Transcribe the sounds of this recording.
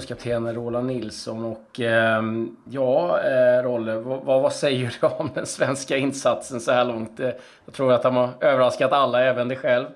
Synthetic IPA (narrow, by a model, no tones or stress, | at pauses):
skat̪ʰeːnəɾoːlanːɪlsɔnɔkː | jɑːɾɔlːəvavavasɛjːəɖ̪ɛɔmd̪ɛnsvɛnskaɪnːsat̪sənsɔhæːɭɔŋt̪̚ɛ | jɑt̪ʰɾuːɾat̪hanaɾøːvəɾaskat̪alːaɛːvənd̪ɛɧɛlv